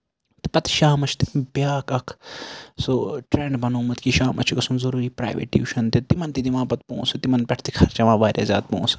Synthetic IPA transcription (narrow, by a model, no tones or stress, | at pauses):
t̪pɐt̪ʃaːmɐt͡ʃʰt̪ibjaːkɐkʰsoʈɾeːɳɖbɐnoːmɐt̪kiʃaːmʔɐ̰t͡ʃʰikɐsunzɐɾuːɾiːpɾa̰ːjʋḛːʈjṵːʃɐnt̪it̪imɐnt̪id̪iʋãːpɐt̪põ̰ːsɨt̪imɐnpʲeʈʰt̪ikʰɐːɾt͡ʃɐʋãːbaːɾʲja̰ːza̰ːt̪̚põ̰ːs